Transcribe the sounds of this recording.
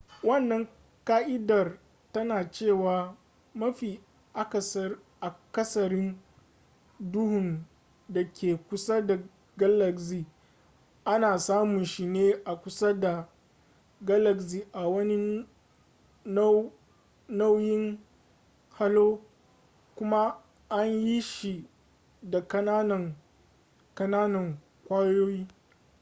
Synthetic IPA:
wɐ˦˨nːɐ˨ŋ | kaː˦ʔɪ˦dɐ˨r | tɐ˦naː˨t͡ʃeː˦˨waː˨ | mɐ˦ɸiː˨ | ʔa˦kɐ˨sɐ˦r | ʔa˨kɐ˦sɐ˨ɾɪ˦n | dʊ˦hʊ˨n | da˨kʲeː˨kʷʊ˦sa˦da˨ | ɡa˦lɐ˨ksiː˨ | ʔa˦naː˨saː˦mʊ˨nʃi˦˨neː˦ʔa˨kʷʊ˦sa˦da˨ | ɡa˦lɐ˨ksiː˨ʔa˨wɐ˦ni˦ | na˦wjɪ˦ŋ | ha˦loː˦ | kʷʊ˦ma˦ | ʔa˦ɲji˦ʃi˨ | da˨kɐ˦naː˦nɐ˨ŋ | kɐ˦naː˦nɐ˨ŋ | kʷaː˦joː˦jiː˦

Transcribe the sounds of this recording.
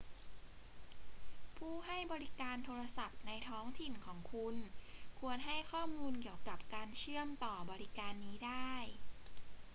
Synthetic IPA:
pʰuː˥˩ɦa˥˩jbɔː˧ɾi˦˥kaː˧nt̪ʰoː˧ɾa˧sa˨˩p̚na˧jt̪ʰɔː˦˥ŋt̪ʰi˨˩nkʰɔː˩˦ŋkʰu˧nkʰu˧ənɦa˥˩jkʰɔː˥˩muː˧nki˨˩əwka˨˩p̚kaː˧nt͡ɕʰɯ˥˩əmt̪ɔː˨˩bɔː˧ɾi˦˥kaː˧nːiː˦˥daː˥˩j

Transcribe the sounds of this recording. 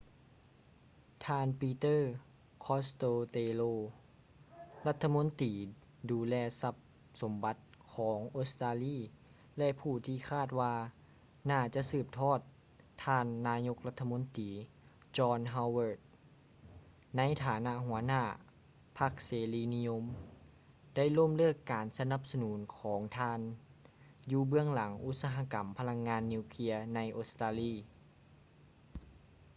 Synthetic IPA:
t̪ʰaː˧npiː˧t̪ɤː˥˩ | kʰɔː˧˥st̪oː˧t̪eː˧loː˧ | la˧˥t̪ʰːa˧mo˧˥nt̪iː˨˦ | duː˧˦lɛː˧sa˧˥p̚ | so˨˦mba˧˦t̪̚kʰɔː˩˦ŋʔoː˧st̪aː˧liː˧˥˩ | lɛ˧ʔpʰuː˧˩t̪ʰiː˧kʰaː˥˩t̪̚waː˧ | naː˧˩t͡ɕa˧ʔsɯː˧˩p̚t̪ʰɔː˧˥˩t̪ʰː | aː˧nːaː˧˥ɲo˧˥k̚la˧t̪ʰːa˧mo˧˥nt̪iː˨˦ | t͡ɕɔː˧nɦa˧wwɤː˧˩t̪̚ | na˧˥jt̪ʰaː˨˩˦na˧˥ʔɦu˩˦ɐnaː˧˩ | pʰa˧˥k̚seː˨˦liː˧˥ni˧jo˧m | d̥a˥˩˨jlo˥˨mlɯː˥˩kːaː˨nsa˧na˧˩p̚sa˧nuː˩˦nkʰɔː˩˦ŋt̪ʰaː˧n | juː˧bɯ˧əŋla˨˦ŋʔu˧˥t̪̚saː˧ɦa˧˥ka˨˩mpʰa˧la˧ŋːaː˧nːi˧wkʰi˧˥ɐna˧˥jʔo˧st̪aː˧liː˧˥˩

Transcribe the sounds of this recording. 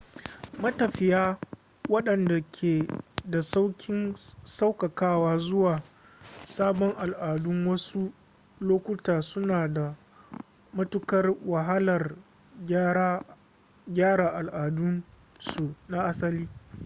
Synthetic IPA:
mɐ˦tɐ˨ɸɪ˨jaː˦ | wɐ˦ɗɐ˨nda˨kʲʰeː˨da˨sa˦wkʲɪ˦nsa˦wkɐ˨kaː˦waː˦zʊ˦waː˨ | saː˦bɔ˦ŋʔa˨lʔaː˨dʊ˦ŋwɐ˦su˦ | loː˦kʷʊ˦taː˨sʊ˦naː˨da˨ | mɐ˦tʊ˦kɐ˦rwa˨ɦa˦lɐ˨r | ɡʲaː˦ɽa˨ʔa˨lʔaː˨dʊ˦n | su˨na˦ʔa˦sɐ˦liː˦

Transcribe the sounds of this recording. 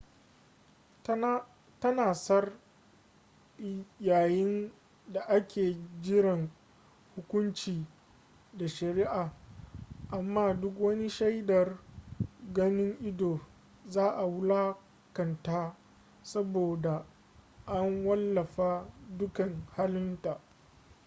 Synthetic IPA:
tɐ˦naː˨sɐ˦r | jaː˨jɪ˦n | da˨ʔa˦kʲʰeː˨d͡ʒɪ˦ɽɐ˨ŋ | hʊ˦kʷʊ˦nt͡ʃiː˨ | da˨ʃɐ˨ɾɪ˦ʔaː˨ | ʔa˨mːaː˦˨dʊ˦k̬wɐ˦ni˦ʃa˦jdɐ˨r | ɡɐ˦nɪ˦ŋʔɪ˦doː˨ | zaː˦ʔa˨wʊ˦laː˦ | kɐ˨ntaː˦ | sɐ˦boː˨da˨ | ʔa˦ŋwɐ˦lːɐ˨ɸaː˦dʊ˦kɐ˨ŋhaː˦lɪ˦nta˨ʔ

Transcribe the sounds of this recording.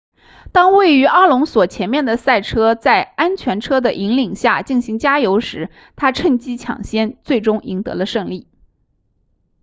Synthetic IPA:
t̪ɑ˥ŋwe˥˩ɪy˧˥ʔɑ˥lʊ˧˥ŋswɔ˨˩t͡ɕʰjɛ˧˥nmjɛ˥˩nd̪ə˩sa˥˩ɪʈ͡ʂʰɤ˥t͡sa˥˩ɪa˥nt͡ɕʰɥɛ˧˥nʈ͡ʂʰɤ˥d̪ə˨ʔi˧˥ŋli˨˩ŋɕja˥˩t͡ɕi˥˩nɕi˧˥ŋt͡ɕja˥jo˧˥ʊʂɻ̩˧˥ | t̪ʰa˥ʈ͡ʂʰə˥˧ŋt͡ɕi˥t͡ɕʰjɑ̰˨˩ŋɕjɛ˥nt͡swe˥˩ɪʈ͡ʂʊ˥ŋʔi˧˥ŋt̪ɤ̰˧˥lə˧ʂɤ˥˧ŋli˥˩

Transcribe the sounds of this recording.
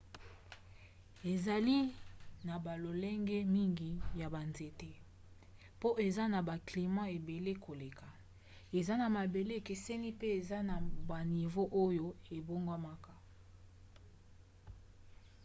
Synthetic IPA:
e˨za˨li˦na˨ba˨lo˨lɛ˦ŋɡɛ˦mi˦ŋɡi˨ja˨ba˨nze˨te˦ | po˦ʔe˨za˦na˨ba˨kli˨mã˦e˨be˨le˦kʰo˨le˨ka˨ | e˨za˦na˨ma˨be˨le˦˨ke˨sɛ˦ni˦pe˦e˨za˦na˨ba˨ni˨vo˦ʔo˦jo˦e˨bo˦ŋɡwa˦ma˦ka˦

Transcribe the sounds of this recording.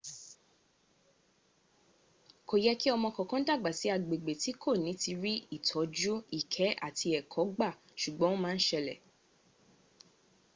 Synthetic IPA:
ko˨jɛ˦ki˦ɔ˧mɔ̃˧kɔ̃˨kɔ̃˦da˦˨ɡ͡ba˨si˨˦a˧˨ɡ͡be˨ɡ͡be˨ti˨˦kʰo˦˨nĩ˨˦ti˧ɾi˦i˦˨tʰɔ˨˦d͡ʒu˦i˦˨kʰɛ˨˦ʔa̰˦˨tʰi˧ɛ˨kʰɔ˨˦ɡ͡ba˦˨ | ʃu˨ɡ͡bɔ̃˨˦õ˦mãː˦n̩˦ʃɛ˧lɛ̰˨

